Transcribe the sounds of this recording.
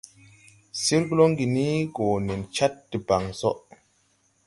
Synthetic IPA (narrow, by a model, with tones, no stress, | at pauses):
si˦ɾɡu˦lo˦ŋɡi˨ni˦ɡoː˨ne˨nt͡ʃa˦tːi˨ba˨ŋso˦ʔ